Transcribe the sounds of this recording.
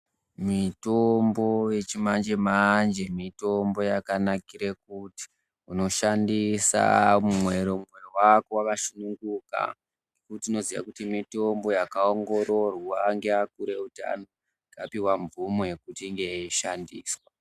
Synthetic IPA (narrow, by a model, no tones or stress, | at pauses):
mitombo̞je̞t͡ʃimand͡ʒe̞mand͡ʒe̞mitombo̞jakanakiɾekuti̥ | uno̞ʃandisa̰mumwe̞ɾo̞muwe̞wakowakaʃunuŋɡuka̰ | ŋɡekutiːno̞ziʋa̰kutimito̞mbo̞jakaoŋɡo̞ɾo̞rwaŋɡeak̚uɾe̞uta̰no | ɡapiwaɱvumojekutiːŋɡe̞iʃandiːswa